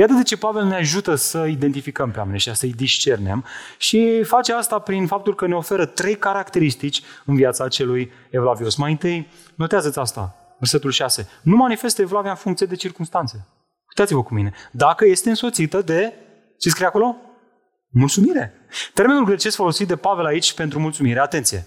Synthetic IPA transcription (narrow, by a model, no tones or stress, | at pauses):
jat̪əd̪e̞t͡ʃe̞pave̞lneaʒut̪əsəid̪e̞nt̪ifikəmpea̰meneʃasəjd̪iʃt͡ʃe̞rne̞̰mʃifat͡ʃeast̪apɾinfap̚t̪ulkəne̞o̞fe̞ɾət̪ɾe̞jkaɾakt̪e̞ɾist̪it͡ʃʲɨnviat̪sat͡ʃe̞luj | evlavio̞smajɨnt̪ɨj | no̞t̪eazət̪sʲast̪a̰ | verse̞t̪ulʃase̞numanife̞st̪əevlaviaɨnfuŋkt̪sijed̪e̞t͡ʃirkumst̪ant̪se | kuit̪at̪sʲivəkumine̞d̪akəje̞st̪eɨnso̞t̪sit̪əd̪e̞ | t͡ʃeskɾijako̞lo̞ | mult̪sumiɾe̞ | t̪e̞ɾme̞nulɡɾe̞t͡ʃest̪fo̞lo̞sit̪̚d̪e̞pave̞lait͡ʃʲpe̞nt̪ɾumult̪sumiɾe̞at̪e̞nt̪sije̞̰